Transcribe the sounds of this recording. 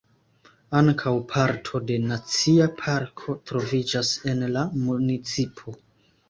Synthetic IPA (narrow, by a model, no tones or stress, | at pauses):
aŋkʰawpʰaɾtʰo̞de̞nat͡siapʰaɾkʰo̞tɾo̞vid͡ʒase̞nlamunit͡sipʰo̞